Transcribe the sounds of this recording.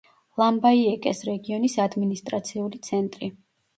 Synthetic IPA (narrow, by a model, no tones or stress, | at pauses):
lˠambaiɛkʼɛsɾɛɡiɔnisad̪minist̪ʼɾat̪sʰiulit̪sʰɛnt̪ʼɾi